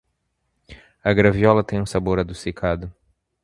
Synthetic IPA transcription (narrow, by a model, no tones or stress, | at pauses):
ɐɡɾaviɔlɐt̪ẽj̃ũsaboɾɐd̪usikʰad̪ʊ